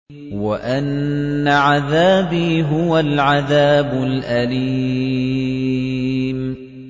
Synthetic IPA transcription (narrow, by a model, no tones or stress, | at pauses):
waʔanːaʕaðaːbiːɦʊwalʕaðaːbʊlʔaliː | m